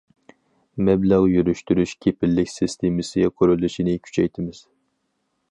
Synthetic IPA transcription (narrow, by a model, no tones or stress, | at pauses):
mɛblæʁjyɾyʃt̪yɾyʃkʲʰepɪlːɪkʲsɪst̪ʰemɪsɪqʰøɾylːɪʃinɪkʲʰy̥t͡ʃʰɛjt̪ʰɪmɪz̥